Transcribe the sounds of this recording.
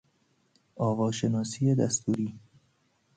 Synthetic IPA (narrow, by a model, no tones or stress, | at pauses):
ʔɒːvɒːʃe̞nɒːsijed̪æst̪uːɾiː